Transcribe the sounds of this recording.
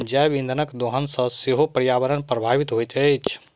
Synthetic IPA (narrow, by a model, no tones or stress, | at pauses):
d͡ʒaʋĩnd̪ʱənəkd̪oɦənsə̃seɦopɾjaʋəɾənpɾəbʱaʋit̪ɦojt̪əjt͡ʃʰ